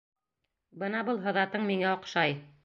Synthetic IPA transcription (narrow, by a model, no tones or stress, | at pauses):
bɤnɑbɤlˠɦɤ̆ðɑt̪ɤɴmiŋæŏqʃɑj